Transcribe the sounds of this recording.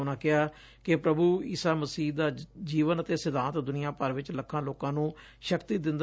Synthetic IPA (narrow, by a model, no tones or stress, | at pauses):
ʊnãːkɪaː | kɪpɾəbuːḭːsaːməsiːd̪aːd͡ʒiːʋənət̪eːsɪd̪ãːt̪d̪ʊnɪjãːpəɾʋɪt͡ʃləkʰːãːloːkãːnũː | ʃəkt̪iːd̪ɪ̃nd̪